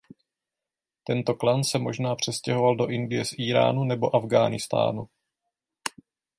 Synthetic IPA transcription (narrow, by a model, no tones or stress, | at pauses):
t̪ɛnt̪o̞klansɛmo̞ʒnaːpr̝̥ɛscɛɦo̞valdo̞ʔɪndɪjɛsʔiːɾa̰ːnunɛbo̞ʔavɡaːnɪst̪a̰ːnṵ